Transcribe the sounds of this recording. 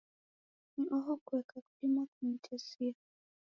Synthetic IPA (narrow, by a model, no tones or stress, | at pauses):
n̩ʔɔɦɔkuwɛkʰaku̥pimakum̩tʰɛsia